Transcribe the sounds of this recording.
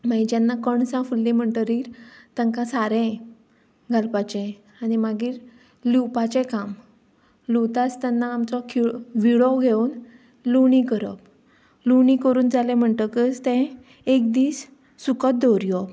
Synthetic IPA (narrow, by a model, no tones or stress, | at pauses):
maid͡ʑjanːakəɳsãfulːim̤əɳʈəɾiːɾt̪əŋkãsaɾɛ̃ | ɡʱalpat͡ɕɛ̃ | animaɡiːɾ | liwpat͡ɕɛ̃kam | lut̪at͡st̪anːaːmt͡sɔkʰiʋiɽɔɡʱeun | luɳ̃ikəɾə̰p̚ | luɳ̃ĩkəɾuːnd͡zalɛ̃m̤əɳʈəkət͡st̪ɛ̃ | ek̚d̪iːsː | ukət̪̚d̪ɔɾjɔ